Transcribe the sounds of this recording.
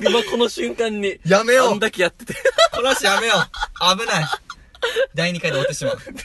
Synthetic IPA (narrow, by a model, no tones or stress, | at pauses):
imako̞noɕɨ̃ŋkãɲ̟ːijame̞jond̪akʲejat̪ːet̪ekʰonaɕijame̞joabɯ̟nai | d̪aiɲ̟ikad̪eat̪ːe̞ɕimaɯ̟